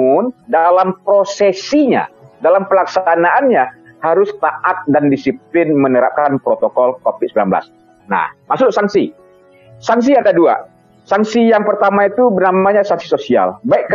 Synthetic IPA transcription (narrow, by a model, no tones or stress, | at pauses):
ʊndalampɾosesiɲa̰dalampəlaksaanaʔːnɲa | haɾʊst̪aʔat̪̚dandisip̚lɪnmənəɾa̰p̚kanpɾot̪okɔlkofɪd̪səmbilanbəla̰s | na̰hmaksʊksaŋsi | saŋs̬iadadua̰ | saŋsijaŋpərt̪amait̪ubənamaɲasaŋsi̥sosia̰lbaiʔk